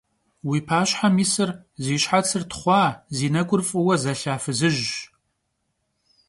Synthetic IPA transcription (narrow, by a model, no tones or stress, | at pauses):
wiːpʰaːɕħamiːsɨrziːɕħat͡sʰɨrtʰχʷɑːziːnɐkʷʼʊrfʼɨwɐzɐɬaːfɨzɨʒ